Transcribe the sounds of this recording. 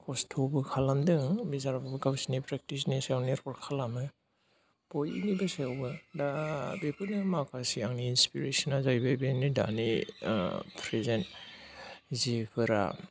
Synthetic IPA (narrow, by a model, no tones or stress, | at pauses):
kʰɔstʰobɯkʰalamdɯŋbizaɾabɯbɯɡawsinipɾek̚tisnisawneɾkɔɾkʰalamɯ | pɔjḭnibɯseawbɯdabepɯnɯmakʰasiaŋniːnspiɾesɔnazajbajbenida̰ni | pʰɾezent | zipʰɯɾa̰